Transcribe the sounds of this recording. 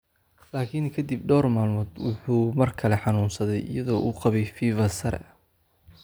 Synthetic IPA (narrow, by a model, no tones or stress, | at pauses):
laːkʰiŋkʰɐd̪ib̚ɖɔːrmaːlmɔd̪wʊħuːmɐrkʰɐlɛħɑnuːnsɐðɛjʔɪ̰jɐðɔːʔuqɑβɛjfiːvɐsɐɾɛ̰ɐ